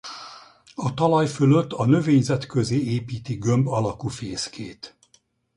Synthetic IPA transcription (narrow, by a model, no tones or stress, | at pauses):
ɒt̪ɒlɒjføløt̪ːɒnø̞veːɲzɛt̪kø̞zeːeːpiːt̪iɡømbɒlɒkufeːskʰeːt̪